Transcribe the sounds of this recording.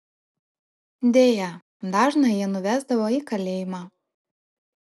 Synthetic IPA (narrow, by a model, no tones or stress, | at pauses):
d̪ʲeːjɛ | d̪ɑːʒnɐjiɛnʊʋʲæzd̪ɐʋoːiːkɐlʲeːjɪmɑː